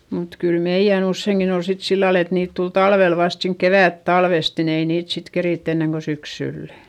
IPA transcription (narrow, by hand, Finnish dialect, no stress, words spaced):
mut kyl meij̆æn usːeiŋkin ol sit silːɑl et niːt tul tɑlʋel ʋɑst siːnk keʋæˑtːɑlʋest nin ei niːt sit keriˑtː enːeŋ ko syksylːæ